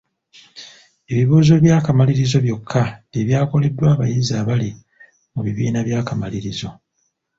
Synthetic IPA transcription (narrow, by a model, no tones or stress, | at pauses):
e̞βiβuːzo̞βjaːkamaliɾizo̞βjo̞kʰːadeβjaːko̞le̞dːwaːβajizaːβali | muβiβiːnaβjaːkamaliɾizo̞